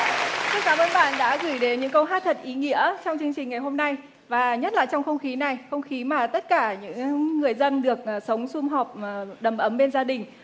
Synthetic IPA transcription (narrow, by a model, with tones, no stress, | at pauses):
t̪ʰɨ˦kaː˨˦mʔəː˧nɓa̰ː˧˨nɗa̰ː˧˥ɣɨ˧˩jɗe˨˦nɲɨ̰˧˥ŋkə˧wɦaː˦˥t̪̚ʰə˨˩t̚ʔi˨˦ŋḭ˧˥ət͡ɕɔ˧wŋ͡mt͡ɕɨ˧əŋt͡ɕï˨˩ŋ̟ŋa˨˩jɦo˧mna˧j | vaː˨˩ɲə˦˥t̚laː˨˩jt͡ɕɔ˧wŋ͡mxə˧wŋ͡mxi˨˦na˨˩jxə˧wŋ͡mxi˨˦maː˨˩t̪ə˦˥t̚kaː˧˩ɲɨ̰˧˥ŋːɨ˨˩əjzə˧nɗɨ˨˩ək̚ʔ̚sə˨˦wŋ͡msʊ˧ŋ͡mɦɔ˨˩p̚ɗə˨˩mʔə˨˦mɓe˧nzaː˧ɗï˨˩ŋ̟